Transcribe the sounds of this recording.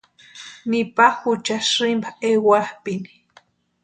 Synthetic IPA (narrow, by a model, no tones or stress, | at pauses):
nipaxut͡ʃasɾimbaewahpini̥